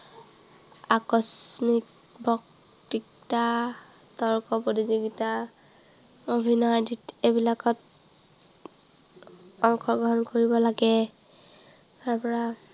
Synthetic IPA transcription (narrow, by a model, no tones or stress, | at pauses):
akɔsmik | bʱɔk | tikta | tɔɹkɔpotiziɡita | obʱinɔjditebilakɔt | ɔŋkʰɔɡɹɔɦɔnkoɹibɔlaɡɛ | taɹpɔɹa